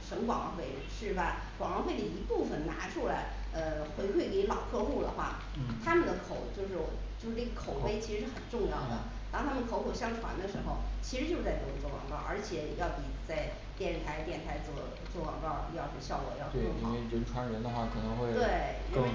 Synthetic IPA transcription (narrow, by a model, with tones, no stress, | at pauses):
ʂɤ˧˥ŋkwɑ˨˩ŋ˥xwe˧˥ɪ | ʂɻ̩˥˩bə˩ | wɑ˨˩ŋwɑ˧˥xwe˥˩ɪd̪ə˩i˧˥pu˥˩fə˩nna̰˧˥ʈ͡ʂʰu˧˥la˧˥ɪ | ə˧xwe˧˥ɪxwe˥˩ɪke˧˥lɑ˨˩ʊkʰɤ˥˧xu˥˩lə̰˩xwa̰˥˩˥ | t̪ʰa˥mə˨nd̪ə˩kʰo˨˩ʊt͡ɕjo˥˧ʊʂɻ̩˥˩wɔ˨˩t͡ɕjo˥˧ʊʂ̩˥˧ʈ͡ʂɤ˥˩ɡə˩kʰo˨˩ʊxe˥ɪt͡ɕʰi˧˥ʂɻ̩˧˥ʂɻ̩˥˩xə˨˩nʈ͡ʂʊ˥˧ŋjɑ˥˩ʊd̪ə˩ | t̪ɑ˥˧ŋt̪ʰa˥mə˨nkʰo˧˥ʊkʰo˨˩ʊɕjɑ˥˧ŋʈ͡ʂʰwa̰˧˥nd̪ə˧ʂɻ̩˧˥xo˧ʊt͡ɕʰi˧˥ʂɻ̩˧˥t͡ɕo˥˧˥t͡sa˥˧ɪʈ͡ʂɤ˥˧˩t͡swɔ˥˩wɑ̰˨˩ŋkɑ˥˩ʔə˞˧˥t͡ɕʰjɛ˨˩jɑ˥˩ʊpi˨˩t͡sa˥˧ɪ | t̪jɛ˥˩nt̪ʰa˧˥ɪt̪jɛ˥˩nt̪ʰa˧˥ɪt͡swɔ˥˩ | t͡swɔ˥˩wɑ̰˨˩ŋkɑ˥˩ʊjɑ˥˧ʊʂ̩˥ɕjɑ˥˩ʊkwɔ̰˨˩jɑ˥˩ʊ˥˩˥i˥˨˥we˥˩ɻə˧˥nʈ͡ʂʰwa˧˥nɻə˧˥nd̪ə˧xwa˥˩kʰɤ˨˩nɤ˧˥ŋxwe˥˧ɪt̪we˥˩ɪɻ